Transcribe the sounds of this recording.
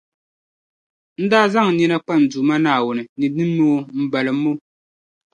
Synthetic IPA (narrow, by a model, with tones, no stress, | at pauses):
n̩˦daː˦za˦ŋ˨nɛ˦na˦k͡pa˦˨n̩˨du˨ma˦naː˦˨wʊ˨nɨ˨nɨ˨nɨː˦oː˦m̩˦ba˨lɨ˨˦mo˦